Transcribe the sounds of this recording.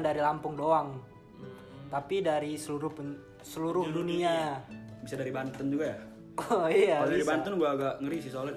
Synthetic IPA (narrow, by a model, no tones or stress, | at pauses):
ndaɾilampʊŋdoaŋ | t̪apidaɾisəluɾʊp | səluɾʊhduniabisadaɾibant̪ənd͡ʒuɡaja | ɔiaaldaɾibant̪ənɡuaːɡaʔŋəɾisisolɛt̪̚